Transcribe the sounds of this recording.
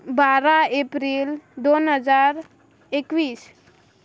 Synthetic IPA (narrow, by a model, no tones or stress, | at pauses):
baɾaepɾild̪onɦəd͡ʒaːɾ | ekwiːs